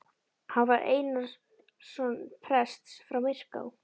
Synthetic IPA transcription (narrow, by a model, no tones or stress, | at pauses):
havaɾʔḛːjnaɾ̥ | sɔnpʰɾɛst̪sfɾawmɪr̥ka̰w